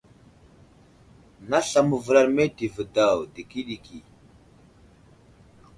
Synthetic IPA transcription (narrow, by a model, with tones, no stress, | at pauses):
na˦ɬa˨mu˨və˨ɾa˨ɾme˦di˨və˨da˨wdi˨ki˦ɗi˨ki˨